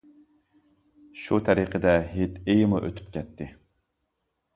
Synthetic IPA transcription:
ʃut̪ʰæɾiqʰəd̪ɛɦet̪ejmɨʔøt̪ʰy̥p̚kʲɛt̪ʰːɪ

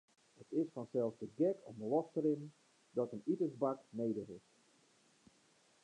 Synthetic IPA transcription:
hətɪsfɔnsɛlˠsdəɡɛkɔfdəlɔstəɾɪn | dɔtənitəzbaknejdəɦɪft

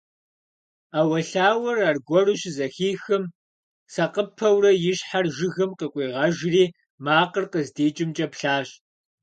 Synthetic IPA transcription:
aːwɐɬaːwɐrarɡʷɔrɨɕzɐxiːxɨm | sɐqəpʰɐwrɐjɪɕħarʒɪɣɨmqəkʷʼiːʁɐʒriː | maːqərqəzdiːt͡ʃʼɪmt͡ʃʼɐpɬaːɕ

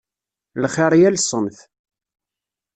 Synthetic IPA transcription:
lχɪɾˤjælsˤənθ

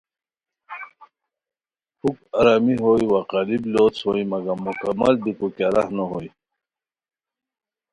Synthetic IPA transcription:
hukaɾamiɦoːjwaqalibloːt͡shoimɐɡamukamːald̪ikukaɾahnoɦoːj

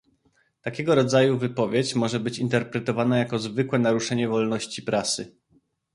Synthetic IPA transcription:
t̪akʲɛɡɔɾɔd̪zajuvɘpɔvʲjet͡ɕmɔʐɛbɘt͡ɕint̪ɛɾpɾɛt̪ɔvanajakɔzvɘkwɛnaɾuʂɛɲɛvɔlnɔɕt͡ɕipɾʔasɘ

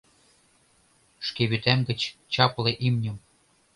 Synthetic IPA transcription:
ʃkeβyt̪æmɡɘ̆t͡ɕt͡ɕɑpleʔimnʲɤ̆m

